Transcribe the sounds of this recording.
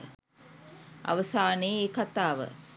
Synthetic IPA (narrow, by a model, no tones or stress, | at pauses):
a̰ʋəsaːneːekat̪aːʋə̰